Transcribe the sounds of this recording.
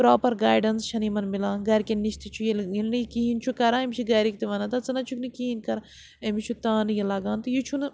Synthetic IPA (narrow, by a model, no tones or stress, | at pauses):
pɾoːpɐɾɡaːjɖɐnsʃɐnimɐnmilãːɡɐːɾkeniʃt̪it͡ʃʰujelilnikiɦint͡ʃʰukɐɾãːemʲʃʰiɡɐːɾikt̪iʋɐnɐt̪ɐt͡sɨnɐt͡ʃʰuknikiɦinkɐɾa | emit͡ʃʰut̪ãːnɨjɐlaːɡãːnt̪ɨjut͡ʃʰun